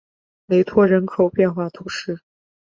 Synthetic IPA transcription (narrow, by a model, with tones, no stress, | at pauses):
le˧˥ɪt̪ʰwɔ˥˩ɻə˧˥nkʰo˨˩ʊpjɛ˥˧nxwa˥˩t̪ʰu˧˥ʂɻ̩˥˩